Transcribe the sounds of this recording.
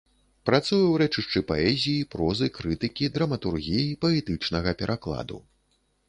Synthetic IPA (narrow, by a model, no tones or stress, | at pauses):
pɾat̪sujɐwɾɛt͡ʂɨʂt͡ʂɨpaɛzʲijipɾɔzɨkɾɨt̪ɨkʲid̪ɾɐmɐt̪urɣʲijipɐɛt̪ɨt͡ʂnɐɣɐpʲɛɾʔaklˠa̰d̪ṵ